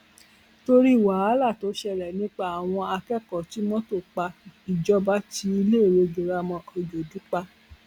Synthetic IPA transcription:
to˦ɾi˦˨wa˨˦a˨˦la˦˨to˨˦ʃɛ˧ɾɛ˨nĩ˦k͡pa˦a˨w̃ɔ̃˧a˧kɛ˦kɔ˨ti˨˦mɔ̃˦to˦˨k͡pa˧i˨d͡ʒɔ˦ba˦ti˧˦i˧le˦˨ɾe˧ɡe˨ɾa˧mɔ̃˧o˧d͡ʒo˨du˨˦k͡pa˧

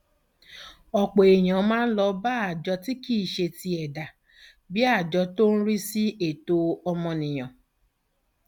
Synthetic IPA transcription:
ɔ˨k͡po˨e˨j̃ã˨˦mãː˦n̩˦lɔ˧˦ba˦a˨d͡ʒɔ˧ti˦ki˦˨ʃe˧ti˧ɛ˨da˨ | bi˦a˦˨d͡ʒɔ˧to˦n̩˦ɾi˦si˦e˦˨to˧ɔ˧mɔ̃˧nĩ˨j̃ã˨

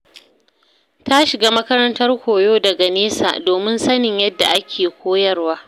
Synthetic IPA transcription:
ta˦ʃɪ˨ɡaː˦mɐ˦kɐ˦ɾɐ˦ntɐ˦rkʷoː˨joː˦dɐ˨ɡa˨neː˦sa̰ː˨doː˨mɪ˦nsɐ˦nɪ˨ɲjɐ˦dːa˨ʔa˦kʲʰeː˨kʷoː˦jɐ˦rwaː˦

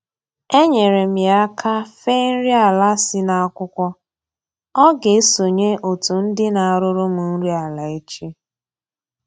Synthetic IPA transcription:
e˦ɲe˨ɾe˨m̩˨ja˦kʰa˦fe˦n̩˦ɾi˦a˨la˦sɪ˦na˨a˦kʷʊ˦kʷɔ˦ | ɔ˦ɡe˨e˦so˨ɲe˦ʔo˨tu˨n̩˦dɪ˦na˨a˨ɾʊ˦ɾo˦mu˨n̩˦ɾi˦a˨la˨e˦t͡ʃi˦

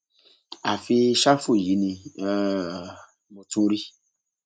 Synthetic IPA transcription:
a˨fi˧ʃa˦fu˦˨ji˨˦nĩ˧˦ | mõ˧tũ˦ɾi˦

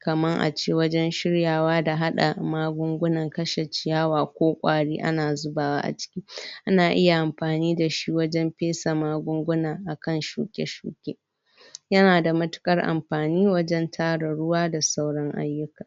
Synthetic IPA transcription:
kɐ˨mɐ˦ŋʔa̰˨t͡ʃeː˦wɐ˦d͡ʒɛ˦nʃɪ˦ɽjaː˨waː˦da˨ɦa˦ɗa̰˨maː˦ɡʷʊ˦ŋɡʷʊ˦nɐ˨ŋkɐ˦ʃe˨t͡ʃɪ˨jaː˦waː˨kʷoː˦kʷʼa̰ː˨ɽiː˦ʔa̰˦naː˨zʊ˦baː˨wa̰ː˦ʔa̰˨t͡ʃɪ̥˦kʲiː˦ʔa˦naː˨ʔɪ˦ja˨ʔa˨mɸaː˨niː˦da˨ʃi˦wɐ˦d͡ʒɛ˦mɸeː˦sa˨maː˦ɡʷʊ˦ŋɡʷʊ˦naː˨ʔa˨kɐ˦˨nʃṵː˨kʲʼḛ˦ʃṵː˨kʲʼḛː˦ | jɐ˦naː˨da˨mɐ˦tʊ̥˦kʼɐ˦rʔa̰˨mɸaː˨niː˦wɐ˦d͡ʒɛ˦ntʰaː˦ɽɐ˨ɽʊ˦waː˦da˨sa˦wɽɐ˦ŋʔa̰˦jːʊ˦kaː˨

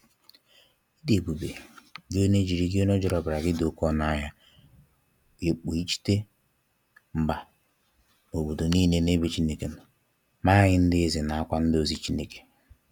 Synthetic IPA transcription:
i˦de˨bu˨be˨ɡɪ˦o˦ne˦d͡ʒi˨ɾi˦ɡɪ˦o˦no˦d͡ʒɔ˨ɾɔ˨bɾa˨ɡɪ˦do˨kɔ˦na˦ɦa˦ | e˨k͡po˨i˦t͡ʃi̥˦te˦ | m̩˨ɡ͡ba˨ | o˨bo˨do˨niː˦˨ne˦ne˦be˦t͡ʃi˦ne˦ke˨n˨ | ma˦ɣɪ˦n̩˦dɪ˦zɪ˨na˨a˦kʷa˦n̩˦dɪ˦o˦zi˦t͡ʃi˦ne˦ke̥˨

